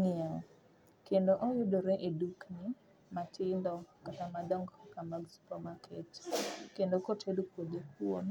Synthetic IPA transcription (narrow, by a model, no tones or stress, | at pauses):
ŋɪaŋ | kendoʔɔjʊdoɾɛʔeduknɪ | matʰɪndɔkatamadɔŋɡkamaɡspɔmaketkendokotʰedokodekwon